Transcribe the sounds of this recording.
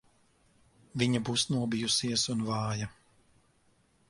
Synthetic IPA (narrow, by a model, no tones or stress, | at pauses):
viɲabusnuɔbijusiɛsunvɑːja